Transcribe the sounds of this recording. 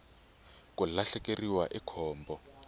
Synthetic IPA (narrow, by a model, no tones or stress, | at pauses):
kulaɬɛkeriwaʔikʰɔːmbɔ